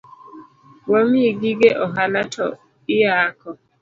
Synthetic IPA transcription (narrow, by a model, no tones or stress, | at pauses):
wamiɡiɡeʔɔɦalatʰɔ̰ | ɪjaːkʰɔ